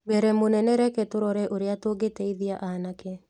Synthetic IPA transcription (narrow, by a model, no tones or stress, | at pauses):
bɛɾɛmonɛnɛɾɛketoɾɔɾɛʔoɾeatoːɡetɛiðiaʔanakɛ